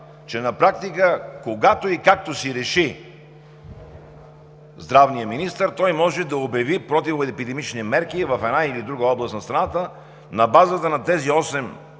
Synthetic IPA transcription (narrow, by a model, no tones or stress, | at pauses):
t͡ʃɛnɐpɾak̚t̪ikəkoɡat̪oikak̚t̪osiɾɛʃi | zd̪ɾavnijəminist̪əɾt̪ɔjmɔʒɛd̪ɐobjɐvipɾɔt̪ivoɛpid̪ɛmit͡ʃnimɛɾkivɐfɛd̪nailid̪ɾuɡəɔblˠəst̪nɐst̪ɾɐnat̪ə | nɐbazət̪ənɐt̪ɛziɔsɛm